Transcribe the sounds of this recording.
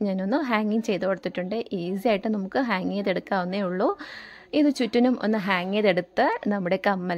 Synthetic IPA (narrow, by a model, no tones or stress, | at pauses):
ɲaːno̞nːɨɦaːŋiŋt͡ɕe̞jt̪ɨpoɽɐt̪ːiʈːuɳɖɨʔiːs̬ijaːjiʈːɨnɐmukːɨɦaːŋːeːðeɽukːaːonːeːuɭːoː | iðɨt͡ɕutːinumo̞̰nːɨɦaːŋːeːðe̞ɽut̪ːɨnɐmːuɽe̞kɐmːɐl